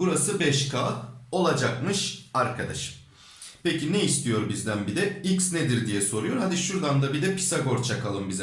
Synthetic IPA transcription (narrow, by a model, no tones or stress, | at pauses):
buɾasɯbɛʃkʰaːo̞lˠad͡ʒakmɯʃaɾkʰad̪a̰ʃɯ̥ | pʰecineist̪ʰijo̞ɾbizd̪ænbid̪ɛiksned̪iɾd̪ijɛso̞ɾujo̞ɾhad̪iʃuɾd̪and̪abid̪ɛpʰi̥saɡo̞ɾt͡ʃʰakalˠɯmbiz